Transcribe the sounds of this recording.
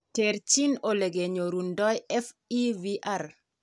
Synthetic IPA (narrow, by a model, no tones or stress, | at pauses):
teɾt͡ʃinoleɡeɲoɾundɔjɛf | iviʔar